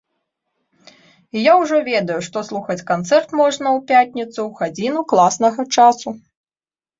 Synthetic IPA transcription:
jawʐɔvʲɛd̪ɐjuʂt̪ɔslˠuxɐt͡sʲkant̪sɛrt̪mɔʐnɐwpʲatʲnʲit̪suwɣad͡zʲinuklˠasnɐɣɐt͡ʂasu

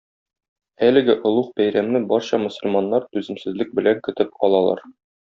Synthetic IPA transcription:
ælɘ̆ɡɘʔŏlˠuχbæjɾæmnɘbɒɾɕɑmɵ̆sɵ̆lmɑnːɑɾt̪ʉzɘ̆msɘ̆zlɘk̚bɘ̆læŋkɵ̆t̪ɘp̚qɒ̰lˠɑlˠɑ̰ɾ

